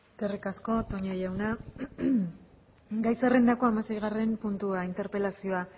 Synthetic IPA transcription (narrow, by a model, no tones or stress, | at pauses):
skerikasko̞t̪o̞ɲojawna | ɡajsere̞nd̪ako̞amase̞jɣ̞are̞mpunt̪uaint̪e̞ɾpe̞lasio̞a